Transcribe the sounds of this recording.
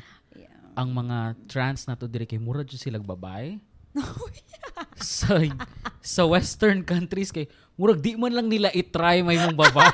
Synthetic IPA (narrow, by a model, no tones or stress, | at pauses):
ʔɐŋmɐŋat̪ɾant̪snat̪od̪ɪɾɛkɐjmuɾɐd͡ʒʊsɪlaɡ̚bɐba̰ʔɛ | sɐ | sɐwɛst̪ɛɹnkɐnt̪ɾiskɐj | mʊɾɐɡ̚d̪ɪʔmanlɐŋnɪlaʔɪt̪ɾajmɐjmoŋbɐbaʔ